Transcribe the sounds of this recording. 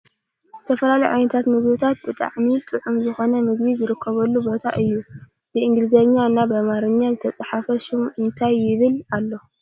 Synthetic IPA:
z̥ɨt̪ʰɐfɐlalɐjʕa̰jnɐt̪ʰat̪mɨɡbɨt̪ʰat̪̚bɨt̪ʼa̰ʕmit̪ʼɨʕumzɨxo̞nɐmɨɡbizɨɾɨkʰːɐβɐlːubo̞t̪ʰa̰ʔɨjːu | nɨɨŋɡlɨzɐɲːanːabɐmaɾɨɲːazɨt̪ʰɐt͡sʼaħafɐʃɪmɨnt̪ʰajːɪβɨlalːo

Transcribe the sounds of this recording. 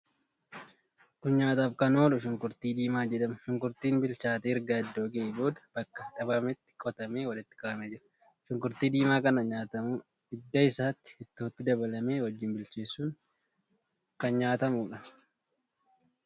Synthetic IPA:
kʊnɲaːt̪aːfkɐnoːlʊʃɪŋkʊɾt̪iːd̪iːmaːd͡ʒɛᶑɐmɐʃɪŋkʊɾt̪iːnbɪlt͡ʃaːt̪eːɪɾɡaːɪd̪ːoːɡebo̞ːd̪ɐ̥b̥ɐkːɐᶑɐbɐmɪt̪ːɪ̥kʼɔt̪ɐmeːwɐlɪt̪ːɪ̥kʼaːɐmeːd͡ʒɪɾɐ | ʃɪŋkʊɾt̪iːd̪iːmaːkɐnɐɲaːt̪ɐmuː | ɪd̪ːɐɪsaːt̪ːɪ̥hɪt̪ːo̞ːt̪ːɪd̪ɐbɐlɐme̞ːwɔd͡ʒːɪnbɪlt͡ʃeːsːuːŋ | kɐnɲaːt̪ɐmuːᶑɐ

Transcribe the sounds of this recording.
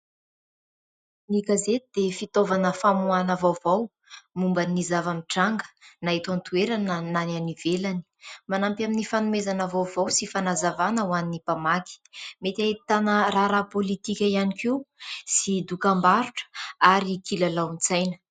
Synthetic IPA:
niɡazet̪id̪efit̪ovanəfamuanavawvaw | mumbənizavamiʈ͡ʂaŋɡə̥nait̪ant̪ueɾanənananivelani̥manampaminifanumezanavawvawsifanazavanəwaninipamaki̥met̪aɦit̪anəɾaɾapolit̪ikʲəianikewsid̪ukambaɾuʈ͡ʂə̥aɾikilalawnt͡sajnə̥

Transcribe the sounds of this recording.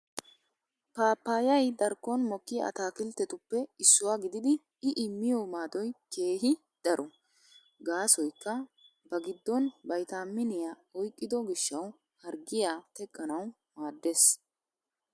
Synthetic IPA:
paːpːaːjɐjd̪ɐɾkːɔnmɔkːɪɐ̰t̪aːkɪlt̪ːɛt̪ʊpːɛɪsːʊwaːɡɪd̪ɪd̪ɪ | ɪʔɪmːɪjɔmaːd̪ɔjke̞ːɦɪ | d̪̥ɐɾʔɔ | ɡaːsɔjkːɐ | bɐɡɪd̪ːɔnbɐjt̪aːmːɪnɪja | ɔjkʼːɪd̪ɔɡɪʃːɐw | hɐɾɡɪjaːt̪ɛkʼːɐnɐw | maːd̪ːeːs

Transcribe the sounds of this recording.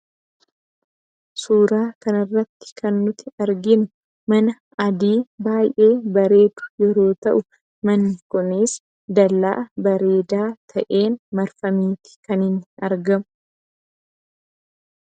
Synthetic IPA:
suːɾaːkɐnɪrːɐt̪ːɪ̥kɐnːʊt̪ɪɐɾɡɪnʊ | mɐnɐ | ɐd̪iːbaːjʔe̞ːbɐɾe̞ːt̪ʊ̥jɛɾo̞ːt̪ɐʔʊ | mɐnːɪkʊneːs | d̪ɐlːa̰ːʔbɐɾe̞ːd̪aːt̪ʰɐʔe̞ːnmɐɾfɐmiːt̪ɪ̥kɐnɪnːɪɐɾɡɐmʊ̥

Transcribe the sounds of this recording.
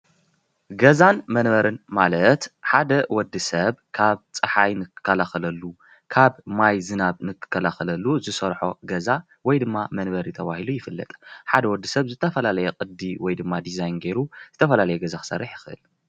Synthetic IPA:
ɡɐzanmɐnβɐɾɨnmalɐt̪ħad̪ɐwɔd̪ːɨsɐβkʰaβt͡sʼɨħajnɨkʰːɨ̥kʰːɐlaxɐlɐlːu | kʰaβmajzɨnaβnɨkʰːɨ̥kʰːɐlaxɐlɐlːuzɨsɐɾħo̰ɡɐza | wɔjd̪ɨmːamɐnbɐɾit̪ʰɐβahilujɪfɨlːɐ̰t̪ʼħad̪ɐwɔd̪ːisɐβzɨt̪ʰɐfɐlalɐjɛkʼɨd̪iwɔjd̪ɨmːad̪izajnɡe̞ɾuz̥ɨt̪ʰɐfɐlalɐjɛɡɐzaxɨ̥sɐ̰rːiħjɪxɨʔɨ̰l

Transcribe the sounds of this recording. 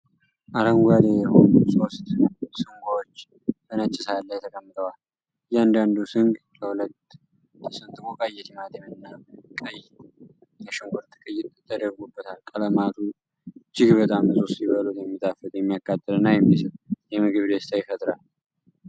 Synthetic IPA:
ʔaɾəŋɡʷad̪ejɛho̞nuso̞st̪sɨŋɡʷaot͡ʃː | tənət͡ʃʼːɪsalːəjɛt̪ʰəkʼəmːɨt̪ʰʼəwal | jand̪and̪usɨŋɡ | kʰəhulət̪ː | ɨsɨnt̪ʼɨmokʼajːɛt̪imat̪emnːakʼəj | kəʃɨŋɡʷɔt̪ʰːɨ̥kʼɨjːɪt̪t̪ʰːəd̪əɾɡubːət̪ʰalkʼələmat̪ʰu | d͡ʒɪɡbət̪ʼamɨsʼusiβəlut̪jɛmːit̪ʼafɨljɛmːijakːat̪ʼːəd̪ɨnːajɛmːisɨt̪ʼjɛmɨɡɨβd̪əst̪ʰajɪfət̪ʼɾal

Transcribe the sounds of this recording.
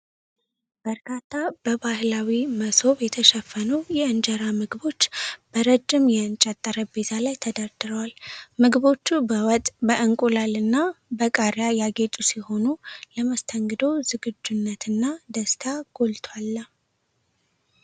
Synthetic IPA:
b̥əɾkʰat̪ʰːab̥əbahlawiməso̞βjɛt̪ʰəʃəfːənujɛɨnd͡ʒəɾamɨɡɨbo̞t͡ʃːb̥əɾəd͡ʒːɪmjɛɨnt͡ʃʼat̪ʼːəɾəbe̞t̪ʰalajt̪ʰəd̪ad̪ɨɾəwalmɨɡɨβo̞t͡ʃːubəwɔt̪ʼbəʔɨŋkʼulalɨnːabəkʼaɾjajaɡe̞t̪ʼusiho̞nuləməst̪ʰəŋɡɨd̪owzɨɡɨd͡ʒːunːət̪ʰɨnːad̪əst̪ʰaɡ̥o̞lt̪ʰwalːə

